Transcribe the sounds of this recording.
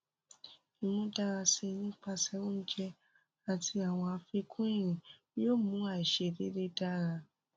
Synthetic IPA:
ĩ˨nũ˧˦da˦ɾa˧si˧nĩ˦k͡pa˦˧sɛ˨˦ũ˦n̩˦d͡ʒɛ˦ | a˨tʰi˧˦a˨w̃ɔ̃˧a˧fe˧kʰũ˦ĩ˦˨ɾ̃ĩ˨˦ | o˦˨mũ˨˦a˨i˨ʃe˧˨de˦ɾe˦da˦ɾa˧

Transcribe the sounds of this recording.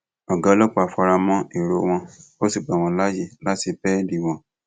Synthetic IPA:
ɔ˨ɡa˨˦lɔ˦k͡pɔ˦a˨fɔ˧ɾa˧mɔ̃˦i˨ɾo˨˧w̃ɔ̃˧o˦si˨k͡pɛ˨w̃ɔ̃˧la˦je˨la˦ti˨˧pɛ˦di˨w̃ɔ̃˨˧

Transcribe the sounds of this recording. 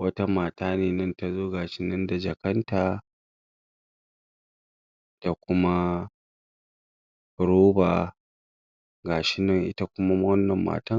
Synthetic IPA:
wɐ˦ta˦maː˨taː˦neː˨nɐ˦nta˨zoː˦ɡaː˨ʃɪ˦nɐ˦nda˨d͡ʒɐ˨kɐ˦ntaː˨ | d̥a˨kʷʊ˦ma˦ | ɽoː˦baː˨ | ɡaː˨ʃɪ˦nɐ˦ŋʔɪ̰˦ta˦kʷʊ˦ma˦wɐ˦nːɐ˨mːa̰ː˨tɐ˦

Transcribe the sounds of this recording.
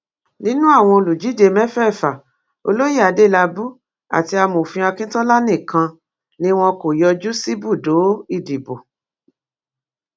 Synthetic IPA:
nĩ˦nũ˦a˦˨w̃ɔ̃˧o˧lu˨d͡ʒi˨˦de˧mɛ̃˦fɛ˦˨fa˨ | o̰˧lo˦ji˦˨a˨˦de˦˨la˧bu˦ | a̰˨ti˧a˧mo˨fĩ˧a˧kĩ˦tɔ̃˦la˦nĩ˦˨kã˧ | nĩ˦w̃ɔ̃˧ko˨jɔ˧d͡ʒu˦si˦bu˦˨do˨˦i˦˨di˨bo˨

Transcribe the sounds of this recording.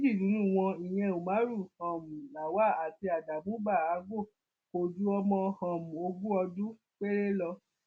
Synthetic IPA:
d͡ʒi˦˨nũ˨˦nũ˦˨w̃ɔ̃˧i˨j̃ɛ̃˧o˨mã˨˦ɾu˦˨hɔ̃˨mũ˨la˨wa˦˨a˨ti˧˦a˨da˨mũ˨˦ɡ͡ba˦˨a˨˦ɡo˦˨ | ko˧˨du˦ɔ˧mɔ̃˧hɔ̃˨mũ˨o˧ɡu˦ɔ˧dũ˦ | k͡pe˦ɾe˦lɔ˧

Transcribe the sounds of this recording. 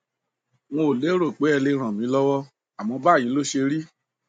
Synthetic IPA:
w̃õ˧˨le˨˦ɾo˦˨k͡pe˨˦ɛ˧le˧ɾ̃ã˨mĩ˨˦lɔ˦wɔ˦ | a˨mɔ̃˧ba˦˨jĩ˨˦lo˦ʃe˧ɾi˦

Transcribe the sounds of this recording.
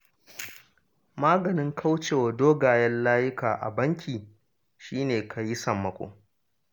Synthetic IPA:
maː˦ɡɐ˨nɪ˦ŋkʰa˦wt͡ʃeː˨wɐ˨doː˦ɡaː˨jɐ˦nlaː˦jɪ˦kaː˨ʔa̰˨bɐ˦ŋkʲʰiː˨ | ʃiː˦neː˨kʰa˨ji˦sɐ˨mːɐ˨kʷʼo̰ː˨

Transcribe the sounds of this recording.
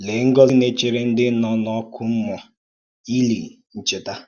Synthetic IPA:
le˨˦ŋ̩˦ɡɔ˦lne˦t͡ʃe˨ɾe˦n̩˦dɪ˦nɔ˨nɔ˨˦kʰu˦m̩˦mɔ˨ | i˦li˨ŋ̩˨n̩˨t͡ʃɪ˦ta˦

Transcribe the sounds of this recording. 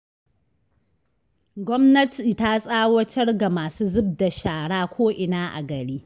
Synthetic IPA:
ɡʷɔ˦mnɐ˦tʰi˨ta˦sʼaː˦wɐ˦tɐ˦rɡa˨maː˨suː˦zʊ˦b̚da˨ʃaː˨ɽaː˦kʷoː˦ʔɪ˨naː˦ʔa̰˨ɡɐ˨ɽiː˦

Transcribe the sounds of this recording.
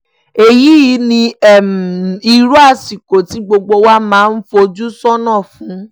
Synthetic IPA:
e˨ji˦i˨˦nĩ˧˦˨m˨i˧ɾu˦a˦˨si˨ko˨ti˨˦ɡ͡bo˧ɡ͡bo˧wa˦mãː˨˦˧n̩˦fo˧d͡ʒu˦sɔ˦nãː˦˨fũ˨˦

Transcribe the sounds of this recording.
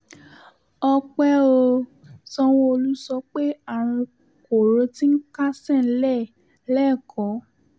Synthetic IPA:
ɔ˧k͡pɛ˦o˧ | sɔ˧w̃ɔ̃˧o˧lu˦sɔ˧k͡pe˦a˦˨ɾ̃ĩ˧ | ko˨ɾo˧˦ti˦ŋ̩˦ka˦sɛ˦˨n̩˦lɛ˦˨ | lɛ˦˨kʰɔ˨˦

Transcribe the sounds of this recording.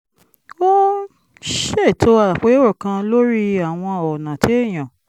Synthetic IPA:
o˦ | ʃe˦˨tʰo˧˦a˧a˨k͡pe˨˦o˦ɾo˦˨kã˧lo˦ɾi˦a˦˨w̃ɔ̃˧ɔ˨nã˨te˨˦e˦˨j̃ã˨

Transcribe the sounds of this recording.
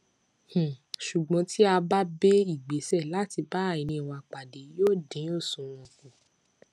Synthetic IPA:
h̩˨ʃu˨ɡ͡bɔ̃˧˦ti˦a˧ba˦be˦i˦˨ɡ͡be˨˦sɛ˦˨la˨˦ti˧ba˦˨ĩ˨nĩ˧˨w̃ɔ̃˧a˨k͡pa˨de˨˦joː˦˨dĩ˨˦o˦˨sũ˨˦w̃ɔ̃˧kũ˧

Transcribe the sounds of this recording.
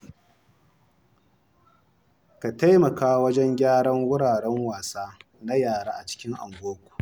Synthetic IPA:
ka˨ta˦jmɐ˨kaː˦wɐ˦d͡ʒɛ˦ŋɡʲaː˦ɽɐ˦ŋwʊ˦ɽaː˨ɽɛ˦ŋwaː˨saː˦ | na˦jaː˦˨ɽaː˦ʔa˨t͡ʃɪ̥˦kʲɪ˦ŋʔa̰˨mɡʷoː˦kʷu̥˨

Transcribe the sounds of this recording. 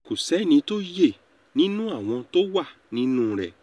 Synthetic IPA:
ku˨sɛ˨˦nĩ˧˦to˦je˦˨ | nĩ˦nũ˦a˦˨w̃ɔ̃˧to˦wa˦˨ | nĩ˦nũ˦ɾɛ˦˨

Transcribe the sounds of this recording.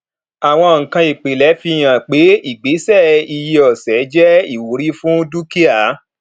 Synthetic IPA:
a˨w̃ɔ̃˧ŋ̩˨kã˧i˨k͡pe˨lɛ˨˦fi˧j̃ã˨k͡pe˨˦i˦˨ɡ͡be˨˦sɛ˦˨i˧je˧ɔ˨sɛ˨˦d͡ʒɛ˦i˦˨wo˨˦ɾi˦fũ˦du˦ki˦a˦˨˦

